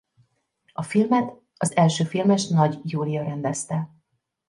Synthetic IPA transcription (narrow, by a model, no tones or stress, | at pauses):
ɒfilmɛt̪ | ɒzɛlʃøːfilmɛʃnɒɟjuːlijɒɾɛnd̪ɛst̪ɛ